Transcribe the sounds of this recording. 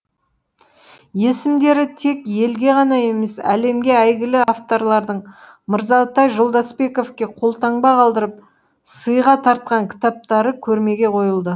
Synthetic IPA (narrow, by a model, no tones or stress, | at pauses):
je̞sɪmd̪e̞ɾɪt̪ʰe̞kje̞lɡʲe̞ʁɑnɑje̞me̞sæ̰le̞mɡʲe̞æjɡʲɪlɪaft̪o̞ɾlˠɑɾd̪əɴ | məɾzɑt̪ɑjʒolˠd̪ɑspe̞ko̞fkʲe̞qʰo̞lˠt̪ɑɴbɑqʰɑlˠd̪əɾəp̚ | səjʁɑt̪ʰɑɾt̪̚qɑŋkʲʰɪ̥t̪ɑp̚t̪ɑɾəkʲʰɵɾme̞ɡʲe̞qʰo̞jəlˠd̪ə